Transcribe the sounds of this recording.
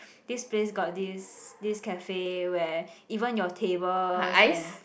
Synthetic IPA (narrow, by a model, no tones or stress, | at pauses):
d̥isplesɡɔt̚disdiskɛfewɛivə̃njɔtʰebəlajs